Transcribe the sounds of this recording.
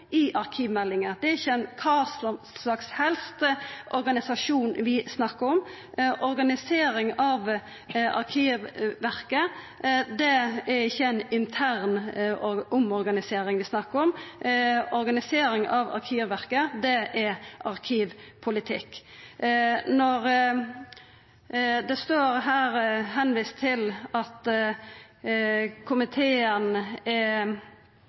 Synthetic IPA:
ɪʔɑɾkʰiːʋmɛlːɪŋəd̪ɛɾɪçːəɛɪnkʰɑs | lɑkshɛlst̪əʔɔɾɡɑnɪsɑʂuːnʋɪsnɑkːəɾʊm | ʔɔɾɡɑnɪseːɾɪŋɑʋ | ɑ̰ɾkʰiːʋʋæɾkə | d̪ɛɛɾɪçːəɛnɪnt̪ʰæːɾn | ʔʊmɔɾɡɑnɪseːɾɪŋʋɪsnɑkːəɾɔm | ɔɾɡɑnɪseːɾɪŋɑʋɑ̰ɾkʰiːʋʋæɾkəd̪ɛʔɛʔɑʁkʰiːʋpʰʊlɪt̪ʰɪkː | nɔɾ | d̪ɛst̪oːɾɦæːɾɦɛnʋiːst̪ʰːɪlɑt̪ | kʰʊmɪt̪ʰeːənɛ

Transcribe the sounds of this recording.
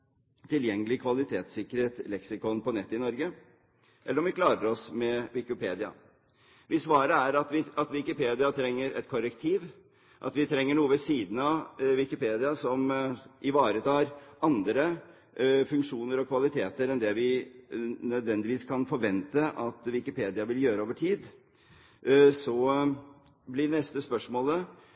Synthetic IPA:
t̪ʰɪljɛŋːəlɪkʰʋɑlɪt̪ʰeːt̪sɪkːəɾeːt̪lɛksɪkɔnpɔnɛt̪ːəɪnɔɾɡə | ʔɛ̰lːəɾɔmʋɪkʰlɑːɾəɾɔsmɛʋɪkɪpʰeːd̪ɪɑ̰ | ʋɪsʋɑːɾəæɾɑt̪ʋɪɑt̪ʋɪkɪpeːd̪ɪɑt̪ʰɾɛŋːəɾɛ̰t̪kʰɔɾəkt̪ʰiːʋ | ʔɑ̰t̪ʋɪt̪ʰɾɛŋːəɳuːəʋəsiːd̪n̩ɑʋɪkɪpeːd̪ɪɑsɔmʔɪʋɑːɾət̪ʰɑːɾʔɑnd̪ɾə | fʉŋkʂuːnəɾɔkʰʋɑlɪt̪ʰeːt̪əɾɛnd̪ɛʋɪ | nœd̪ʋɛnd̪ɪʋiːskʰɑnfɔɾʋɛnt̪əʔɑt̪ʋɪkɪpʰeːd̪ɪɑʋɪljøːɾəoːʋəʈʰiːd̪ | sɔ | blɪɖɛnɛst̪əspœʂmoːlə

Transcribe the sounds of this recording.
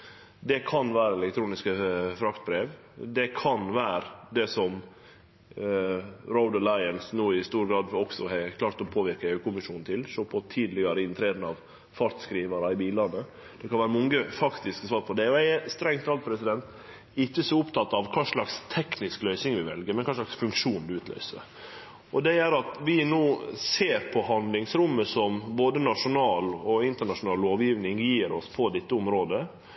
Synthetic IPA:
d̪ɛkʰɑnʋæːɾəɛlɛkt̪ʰɾuːnɪskəfɾɑkt̪̚bɾeːʋ | d̪ɛkʰɑnʋæːɾd̪ɛsɔm | ɾɔʊd̪əlɑɪənsnuːɪst̪uːɾɡɾɑːd̪ɔksɔhɛkʰlɑːɾt̪ɔpʰoːʋɪɾkəɛʉkʊmɪʂuːnnt̪ʰɪlʂoːpʰɔt̪ʰiːd̪lɪɡɑɾəɪnt̪ʰɾeːd̪nɑʋ | fɑɾt̪skɾiːʋɑɾəɪbiːlɑnə | d̪̥ɛkʰɑnʋæːɾəmɔŋɡəfɑkt̪ɪsksʋɑːɾpʰɔd̪ɛɔæst̪ɾɛŋt̪ʰɑlt̪̚pʰɾɛsɪd̪ɛnt̪ | ɪçːəsɔʊpt̪ʰɑt̪ːɑʋkʰɑːʂɭɑkst̪ʰɛknɪsklœʏsɪŋʋɪʋɛ̰lɡəɾmɛnkɑːʂɭɑksfʉŋkʂuːnd̪ʉʉːt̪lœ̰ʏsə̰ɾ | ɔd̪ɛæɾɑt̪ʋɪnoːseːɾpʰɔhɑnd̪lɪŋsɾʊmːəsɔmboːd̪ənɑʂʊnɑːlɔɪnt̪əɳɑʂʊnɑːlːoːʋjiːʋnɪŋjiːɾɔspʰɔd̪ɛt̪ːəʊmɾoːd̪ə

